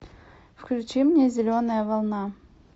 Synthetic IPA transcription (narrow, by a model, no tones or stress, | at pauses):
fklʲʉt͡ɕimnʲezʲɪlʲonəjəvɐlˠna